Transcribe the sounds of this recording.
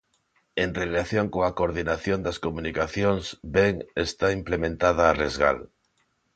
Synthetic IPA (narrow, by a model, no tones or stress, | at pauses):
enrelaθjoŋkoakoɾðinaθjond̪askomũnikaθjoŋzbeŋest̪aimplemẽnt̪að̞aːrezɣa̰l